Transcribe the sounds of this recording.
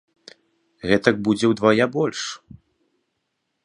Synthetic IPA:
ɣɛt̪ɐk̚bud͡zʲɛwd̪vajabɔlʲʂ

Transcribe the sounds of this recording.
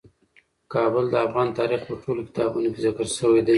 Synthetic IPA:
kɑbəld̪əafɣɑnt̪ɑɾixpəʈʰolokɪ̥t̪ɑbunokezɪkəɾʃəwed̪a

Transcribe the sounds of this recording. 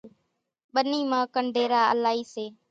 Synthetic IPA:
ɓəniːmãːkəɳɖʱeːɾaːə̰laːɦiːseː

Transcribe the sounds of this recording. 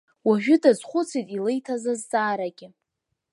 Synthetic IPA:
waʒᶣʊdazχʷʊt͡sʰitʼilejtʰazazt͡sʼaːɾaɡʲɪ

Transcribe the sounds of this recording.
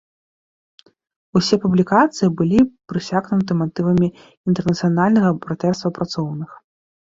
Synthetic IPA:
usʲɛpublʲikat̪sɨjibɨlʲipɾɨsʲaɣnut̪̬ɨmat̪ɨvɐmʲi | int̪ɛrnɐt̪sɨjanalʲnɐɣɐpɾat̪ɛrst̪vɐpɾʔat̪sɔwnɨx

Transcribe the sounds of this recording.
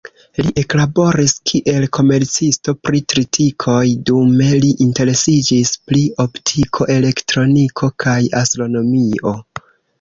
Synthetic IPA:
liʔe̞klabo̞ɾiskʰiʔe̞lkʰo̞me̞ɾt͡sisto̞pɾitɾitʰikʰo̞jdume̞liʔinte̞ɾe̞sid͡ʒisplio̞ptʰikʰo̞ʔe̞le̞ktɾo̞nikʰo̞kʰajastɾo̞no̞mio̞

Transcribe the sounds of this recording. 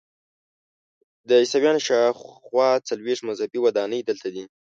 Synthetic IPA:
d̪əisawjɑnʃɑxwɑt͡salwexʂt̪mazhapiwad̪ɑnəjd̪əlt̪ad̪i

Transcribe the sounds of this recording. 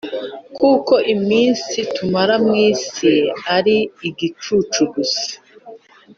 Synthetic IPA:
kuːko̞ʔimiːnsitumaɾamŋiːsiaɾiːɡit͡ʃuːt͡ʃuɡusḁ

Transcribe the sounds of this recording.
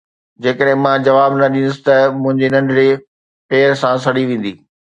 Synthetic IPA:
d͡ʑeːkəɗɦɪ̃mãd͡ʑɐʋaːbnɐɗĩːnʊsɪ̥t̪ɐmʊ̃ɦɪ̃ɲd͡ʑenɐ̃ɳɖɾe | peːɾsãs̬ɐɽiʋẽːn̆d̪iː

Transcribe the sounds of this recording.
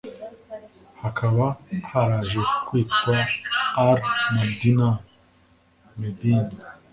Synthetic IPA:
hakʰaβahaɾaːʒekwiːtkwaː | ɾmad̪ina | med̪in

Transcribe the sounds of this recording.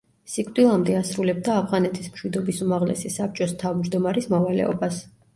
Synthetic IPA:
sikʰʼd̪ʼilˠamd̪ɛasɾulɛb̚d̪aːpʰʁanɛt̪ʰismʃwid̪ɔbisumaʁlɛ̰sisap̚t͡ʃʼɔst̪ʰavmd͡ʒd̪ɔmaɾismɔvalɛ̰ɔ̰bas

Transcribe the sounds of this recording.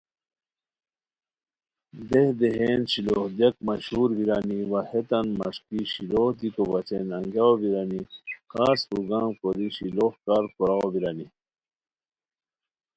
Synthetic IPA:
d̪ehd̪eɦeːnɕiloːhd̪jɐk̚mɐɕhuːɾbiɾaniwɐhet̪ɐnmɐ̰ʂkiɕiloːhd̪ikobɐt͡ɕenɐŋɡjaobiɾanikaːspuɡaːmkoɾiɕilohkaːɾkoɾaobiɾani

